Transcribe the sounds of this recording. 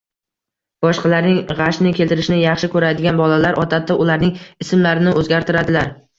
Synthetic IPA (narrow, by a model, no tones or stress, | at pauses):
b̥ɒʃqʰɑlaɾnɪŋʁɑʃnɪkʲʰe̞lt̪ɪɾɪʃnɪjɑχʃɪkʰɵɾajd̪ɪɡʲanbɒlalaɾʔɒt̪ʰat̪aʔʊlaɾnɪŋɪsɪmlaɾɪnɪʔɵzɡʲaɾt̪ʰɪɾad̪ɪlaɾ